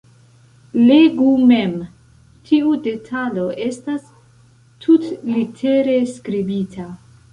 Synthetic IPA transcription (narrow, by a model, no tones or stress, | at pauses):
leɡumem | tʰiude̞tʰalo̞ʔe̞stas | tʰutlitʰe̞ɾe̞skɾibitʰa